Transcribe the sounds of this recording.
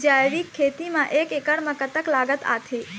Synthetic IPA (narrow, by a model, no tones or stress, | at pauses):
d͡ʒajɾikʰːet̪imãʔekekəɽməkət̪əklaːɡət̪a̰t̪ʰe